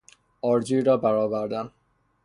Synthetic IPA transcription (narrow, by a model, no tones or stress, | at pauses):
ʔɒːɾd͡ʒiːɾɒːbæɾɒːvæɾd̪æn